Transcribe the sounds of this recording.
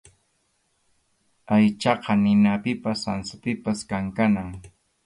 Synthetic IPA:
ajt͡ʃɑqɑnɪnapɪpasansapɪpaskaŋkanaŋ

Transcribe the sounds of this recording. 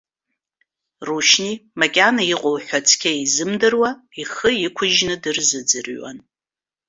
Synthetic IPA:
ruʃnimakʲʼanaiqʷʼʊwħʷᶣat͡sʰkʲʰaizɨmdɨrwaiχəikʷʰʊʒnɨdɨrzɨd͡zɨrɥa̰n

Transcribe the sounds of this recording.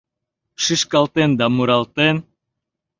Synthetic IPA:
ʃɨʃkalˠt̪end̪amuɾalˠt̪en

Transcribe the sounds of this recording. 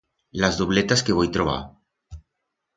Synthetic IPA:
lazðuβlet̪askeβ̞ojt̪ɾoβ̞a̰

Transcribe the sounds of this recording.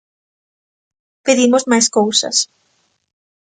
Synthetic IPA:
peðimozmajs̬kowsɐ̰s

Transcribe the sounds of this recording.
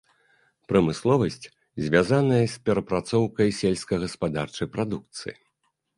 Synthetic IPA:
pɾɐmɨslˠɔvɐsʲt͡sʲ | zʲvʲazanɐjɐsʲpʲɛɾɐpɾat̪sɔwkɐjsʲɛlʲskɐɣɐspad̪art͡ʂɐjpɾad̪uk̚t̪sɨji

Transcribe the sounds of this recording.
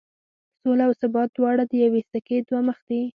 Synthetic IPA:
solaːwsabɑt̪̚wɑɽad̪əjawest̪aked̪waməxd̪i

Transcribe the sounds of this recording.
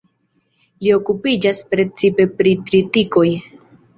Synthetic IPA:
lio̞kupid͡ʒaspɾe̞t͡sipe̞pɾitɾitiko̞j

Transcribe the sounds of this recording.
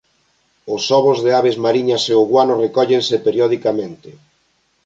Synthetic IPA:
ʊsɔβʊzðeaβezmaɾiɲaseoɣwanʊrekɔʎensɪpeɾjɔð̞ikamẽnt̪ɪ

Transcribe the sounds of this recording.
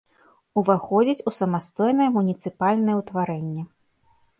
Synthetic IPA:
uvaxɔd͡zʲit͡sʲusɐmast̪ɔjnɐjɛmunʲit̪sɨpalʲnɐjɛwt̪vaɾɛnʲːɛ

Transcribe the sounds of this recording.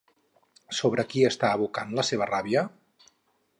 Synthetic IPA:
soβ̞ɾəkiəst̪aəβukanləseβ̞əraβiə

